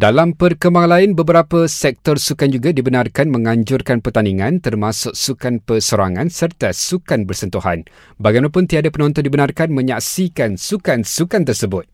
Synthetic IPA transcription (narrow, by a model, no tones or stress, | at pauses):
dalampərkəmbaŋlaɪnbəbəɾapəsɛk̚t̪ɔrsukand͡ʒuɡadibənãrkanmə̃ŋãɲd͡ʒʊrkanpərt̪aniŋãnt̪ərmasʊk̚sukanpərsoɾaŋãnsərt̪asukanbərsənt̪uha̰n | baɡajmaapʊnt̪iadapənɔ̃nt̪ɔndibənarkanmə̃ɲaksikansukansukant̪ərsəbʊt̪̚